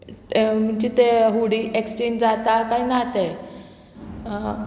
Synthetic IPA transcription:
m̤əɳd͡ʑit̪eɦuɽiːʔekst͡ɕend͡zat̪akainat̪e

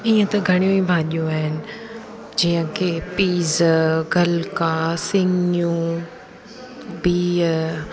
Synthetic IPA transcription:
iːə̃t̪ɐɡʱɐɽ̃ijũibʱaːʄijũaːɦɪnɪ̆ | d͡ʑiːə̃kʰeːpiːzɡʱɐlkasɪŋjũ | biː

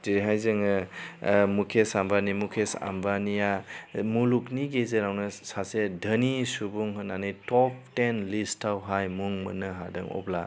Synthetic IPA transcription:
diɾiɦajzɯŋɯ | mukʰesambanimukʰesa̰mbanijamulukniɡezeɾawnɯsasedʱənisubuŋɦɯnːanɯjtɔp̚ʰtenlistʰawɦajmuŋmɯ̰nɯɦadɯ̰ŋɔ̰bla

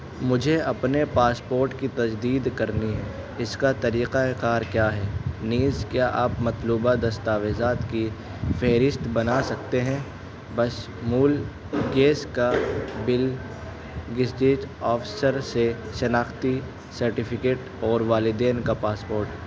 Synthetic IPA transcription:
mʊd͡ʒʱeɐpnepaːspoːɾʈkit̪ɐd͡ʒd̪iːd̪kɐɾniɦɛ̃ː | ɪskat̪ɐɾiːqaeqaːɾkjaːɦɛːniːzkjaʔaːpmɐt̪luːbad̪ɐst̪aːʋeːzaːt̪ki | fɛːɾɪst̪bɐnasɐkt̪eɦɛ̃ | bɐs | muːl | ɡeːskabɪl | ɡɪsʈeːd͡ʒɔːfsəɾseʃɐnaːxt̪i | sɐɾʈɪfʰɪkeːʈ | ɔːɾʋaːlɪd̪eːnkapaːspoːɾʈː

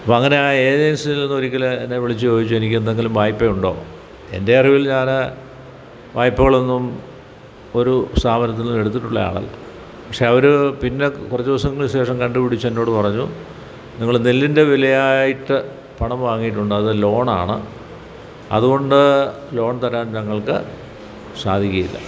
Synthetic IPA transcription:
ɐpoɐŋːɐne̞aːeːd͡ʑensiilːenːuo̞ɾikʲːɐlenːeʋiɭit͡ɕːud͡ʑo̞ːdit͡ɕːue̞nikʲːend̪eŋɡilumʋaːjpːejuɳɖo̞ː | e̞̰nde̞ɐriʋilɲaːnɨ | ʋaːjpːɐɣɐɭo̞nːum | o̞ɾust̪aːmɐnɐt̪ːinnːume̞ɽut̪ːiʈːuɭːɐja̰ːɭɐ̰lːɐ̰ | pɐkʂe̞ɐʋɐɾupinːe̞kurɐt͡ɕːuʋɐsɐŋːɐɭɕe̞ːʂɐmkɐɳɖupiɽit͡ɕːuenːo̞ːɽɨpɐrɐɲːu | niŋːɐɭnelːinde̞ʋilɐjaːjiʈːɨ | pɐɳɐmʋaːŋːijiʈːuɳɖɨɐðɨlo̞ːɳaːɳɨ̰ | ɐ̰ðuɣo̞ɳɖɨ | lo̞ːɳt̪ɐɾaːnnɐŋːɐɭkɨ | saːd̪ʱikʲːɐjilːɐ̰

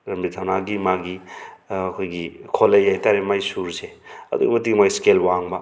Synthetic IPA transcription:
ɾɐmbitʰawnaɡimaɡiɐkʰojɡikʰolɐjːajtaɾemajsuɾseɐ̰d̪ṵɡḭmɐtiɡmajskelwaŋba

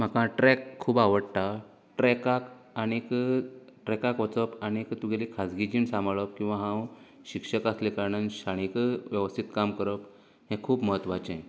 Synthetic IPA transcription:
m̤akãʈɾɛkʰːuːbaʋəɽt̪a | ʈɾɛkak | aɽ̃ikəʈɾɛkakʋət͡səpaɽ̃ikt̪uɡelikʰad͡zɡid͡ʑiːɳsãmbɭəp̚kĩw̃ʋãɦãwɕikʂəkaslekaɾɳənɕaɽ̃ikʋjəʋəst̪ʰit̪kamkəɾəp | hɛ̃kʰuːbməɦət̪ːʋat͡ɕɛ̃

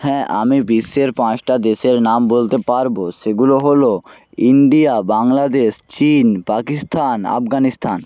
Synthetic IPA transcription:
hɛ̃ʔa̰mibiʃːeɾpãt͡ɕʈad̪eʃeɾnambolt̪epaɾboʃeɡuloɦolo | iɳɖiabaŋlad̪eʃt͡ɕinpakist̪ʰana̰fɡanist̪ʰan

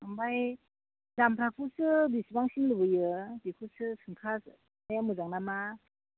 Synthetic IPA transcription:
ambaj | zampʰɾakʰusɯbisbaŋsiŋlɯbɯjɯbikʰusɯsɯŋkʰas | najamɯzaŋnama

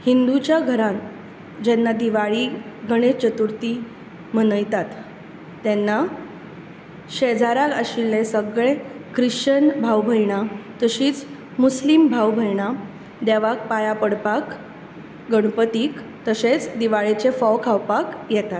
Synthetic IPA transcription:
hind̪ut͡ɕjaɡʱəɾãn | d͡ʑɛnːad̪iʋaɭiɡʱəɽ̃et͡ɕət̪uɾt̪i | m̤ənəjt̪at̪ː | ɛnːa | ɕed͡zaɾaɡəɕilnẽsəɡɭekɾiɕt͡ɕənbʱawbʱəjɳ̃at̪əɕiːt͡s | muslimbʱawbʱəjɳ̃a | d̪ɛʋak̚pajapəɽpak | ɡəɽpət̪iːk | t̪əɕet͡sd̪iʋaɭet͡ɕefɔwkʰawpakjɛt̪at̪

